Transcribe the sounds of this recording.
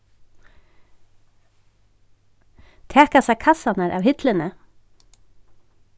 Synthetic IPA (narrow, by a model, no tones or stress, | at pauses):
t̪ʰɛːkasækʰɑsanaɾʔa̰ːʋhɪt̪lənə